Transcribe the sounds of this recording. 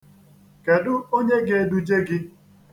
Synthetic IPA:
ke˨dʊ˦o˦ɲe˦ɡe˦du˦d͡ʒe˦ɡɪ˦

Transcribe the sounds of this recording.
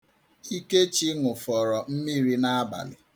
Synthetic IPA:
i˦ke˦t͡ʃi˦ŋʊ˨fɔ˨ɾɔ˨m̩˦mi˦ɾi˦na˦a˦ba̰˨lɪ̰˨

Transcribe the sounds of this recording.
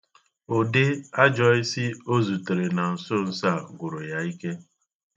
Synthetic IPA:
o˨de˦a˦d͡ʒɔ˨ɪ˦si˦o˦zu˨te˨ɾe˨na˨n̩˨so˦n̩˦sa˦˨ɡʷʊ˨ɾo˨ja˦i˦ke˦

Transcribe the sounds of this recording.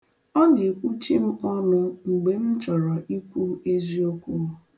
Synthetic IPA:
ɔ˦ne˨e˨kʷu˦t͡ʃi˦m̩˦ɔ˦nʊ˦ŋ͡m̩˨ɡ͡be˨m̩˦t͡ʃɔ˨ɾɔ˨ʔi˦kʷu˦e˦zi˦o˦kʷu˦˨

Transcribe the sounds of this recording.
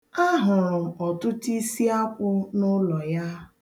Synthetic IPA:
a˦ɦʊ˨ɾʊ˨m̩˨ɔ˨tʊ˦ti˦si˦a˦kʷʊ˦nʊ˦lɔ˨ja˦

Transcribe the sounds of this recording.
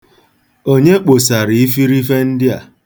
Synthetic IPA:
o˦ɲe˦k͡po˨sa˨ɾi˨i˦fi˦ɾi˦fe˦n̩˦dɪ˦a̰˨

